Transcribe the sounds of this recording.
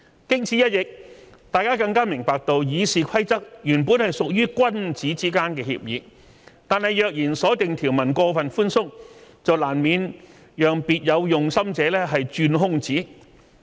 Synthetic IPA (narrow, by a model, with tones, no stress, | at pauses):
kɪ˥ŋt͡sʰiː˨˥jɐ˥t̚jɪ˨k̚t̪aː˨˧jkaː˥kɐ˧ŋkaː˥mɪ˨˩ŋpaː˨˧k̚t̪o˨˧wjiː˨˧siː˨kʷʰɐ˥jt͡sɐ˥k̚jyː˨˩npuː˨˥nhɐ˨jsʊ˨k̚jyː˥kʷɐ˥nt͡siː˨˥t͡siː˥kaː˥nkɛː˧hḭ˧p̚jḭː˨˧ | t̪aː˨˧nhɐ˨jœː˨k̚jiː˨˩nsɔː˨˥t̪ɪ˨ŋt̪ʰiː˨˩wmɐ˨˩nkɔː˧fɐ˨nfuː˥nsʊ˥ŋ̚t͡sɐ˨wlaː˨˩nmiː˨˧n | jœː˨ŋpiː˨t̚jɐ˨˧wjʊ˨ŋsɐ˥mt͡sɛː˨˥lɛː˥ɦɐ˨jt͡ʃyː˧nɦʊ˥ŋt͡siː˨˥